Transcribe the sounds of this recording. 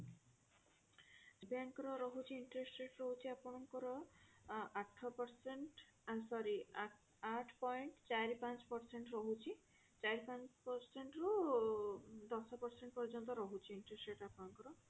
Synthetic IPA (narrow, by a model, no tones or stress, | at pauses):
sbaŋkɔɾɔɾɔɦut͡ʃʰiiɳʈɾesɾeʈɾɔɦut͡ʃʰiapɔnɔŋkɔɾɔ | aʈʰːɔpɔɾseɳʈ | asɔɾi | aʈʰpɔjɳʈt͡ɕajɾipant͡ʃpɔɾseɳʈɾɔɦut͡ʃʰi | t͡ʃajɾipant͡ʃpɔɾseɳʈɾu | d̪ɔsɔpɔɾseɳʈpɔɾid͡ʒɔnt̪̬ɔɾɔɦut͡ʃʰiiɳʈɾesʈɾeʈapɔnɔŋkɔɾɔ